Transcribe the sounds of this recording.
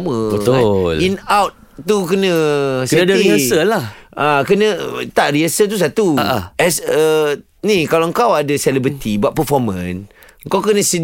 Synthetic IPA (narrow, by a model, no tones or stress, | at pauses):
mə̃bət̪olinawt̪̚ | t̪uk̬ənə̃sənadaɾiasəlahakənə̃t̪aʔriasət̪̬us̬at̪uaʔaʔɛsə | nĩkalaŋkawadasɛlɛbɾət̪ibaʔpəfɔmə̃n | ŋ̩kawkənə̃si